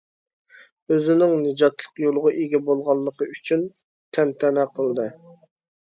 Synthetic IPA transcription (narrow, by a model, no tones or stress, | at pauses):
øzɪnɪŋnɨd͡ʒɑt̪lˠəqjolˠʊʁʊʔeɡʲɛbolˠʁɑlˠːəqəyt͡ʃʰyn | t̪ʰɛnt̪ʰɛnɛqʰəlˠd̪ɨ